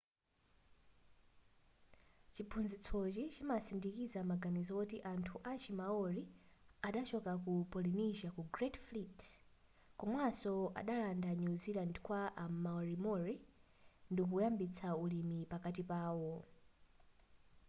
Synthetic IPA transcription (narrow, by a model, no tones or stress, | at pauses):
t͡ʃipʰunzit͡sʰɔt͡ʃit͡ʃimasindikizamaɡanizɔkutiʔantʰuʔat͡ʃimaɔɾiaɗat͡ʃɔkakupɔliniʒakuɡrɛtflit | kɔmwasɔa̰ɗalandanuzilandkwaʔamaɔɾimɔɹi | ndikujambit͡sʰaulimipakatipaːwɔ